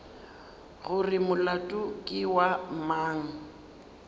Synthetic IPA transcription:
ɣʊrɪmʊlatʼʊkʼɪwamaːŋ̩

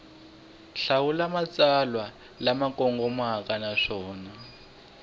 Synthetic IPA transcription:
ɬawulamat͡salwa | lamakɔŋɡɔmaɦakanaʂɔːna

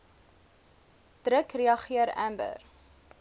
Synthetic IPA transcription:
d̥ɾəkriɐχiəɾæmbə̰r

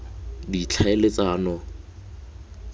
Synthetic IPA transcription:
dit͡ɬʰaelet͡sʼaːnɔ

